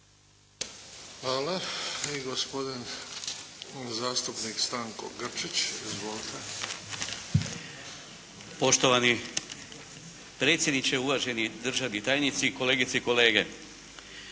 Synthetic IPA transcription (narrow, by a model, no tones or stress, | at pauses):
xʋaːlaiɡospod̪in | zaːst̪upnikst̪aːŋko̰ɡr̩t͡ʃit͡ɕizʋoːlit̪ʰe | po̞ʃt̪o̞ʋani | pɾet̪sjed̪nit͡ʃeuʋaʒe̞nid̪r̩ʒaʋnit̪aːjnit̪siːko̞le̞ːɡit̪seiko̞le̞ːɡe̞